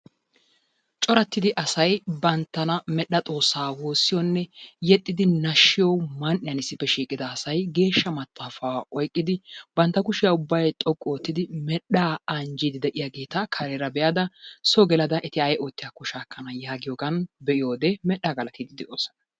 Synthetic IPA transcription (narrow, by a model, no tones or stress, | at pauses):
t͡ʃʼɔɾɐt̪ːɪd̪ɪʔɐsɐjbɐnt̪ːɐnɐmɛɗːɐt̪ʼo̞ːsːaːwo̞ːsːɪjonːɛjɛt̪ʼːɪd̪ɪnɐʃːɪjomɐnʔɪjɐnɪsːɪfːɛʃiːkʼɪd̪ɐːsɐjɡe̞ːʃːɐmɐt̪ʼːaːfaːɔjkʼːɪd̪ɪbɐnt̪ːɐkʊʃɪjɐʊbːɐjt̪ʼɔkʼːoːt̪ːɪd̪ɪmɛɗaːɐnd͡ʒid̪ɪd̪ɛʔɪjaːɡeːt̪ɐkʰɐɾeɾɐbɛjad̪ɐsɔɡɛlɐd̪ɐʔɛt̪ɪɐjʔoːt̪ːɪjakʊʃaːkːɐnɐjaːɡɪjoːɡɐnbɛʔɪjo̞ːd̪ɛmɛɗaːɡɐlɐt̪id̪ɪd̪ɛʔoːsɐ̥nɐ